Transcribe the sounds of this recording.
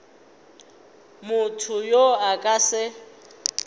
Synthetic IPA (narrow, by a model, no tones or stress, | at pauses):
mʊtʰʊjoakʼasɪ